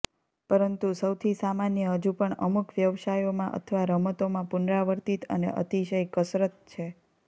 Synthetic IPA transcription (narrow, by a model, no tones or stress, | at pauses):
pəɾənt̪usəwt̪ʰisamanjəɦəd͡ʒũpəɳə̰mukʰʋjəʋsajomãʔə̰t̪ʰəʋaɾəmət̪omãpunɾaʋəɾt̪it̪ə̰nḛʔə̰t̪iʃəjkəsɾət̪̚t͡ʃʰe